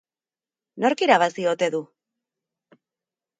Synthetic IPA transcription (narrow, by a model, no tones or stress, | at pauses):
no̞ɾkiɾaβ̞asio̞t̪e̞ðu